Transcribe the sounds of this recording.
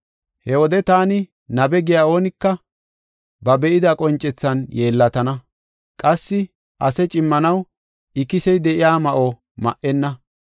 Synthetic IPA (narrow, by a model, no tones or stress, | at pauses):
hɛwɔd̪ɛt̪aːnɪ | nɐbɛɡɪjaːo̞ːnɪkːɐ | bɐbɛʔɪd̪ɐkʼɔnt͡ʃʼːɛt͡sːɐnjeːlːɐt̪ɐnɐ | kʼɐsːɪ | ʔɐsɛt͡ʃʼɪmːɐnɐw | ʔɪkɪsɛjd̪ɛʔɪjaːmɐʔoː | mɐ̰ʔɛnːɐ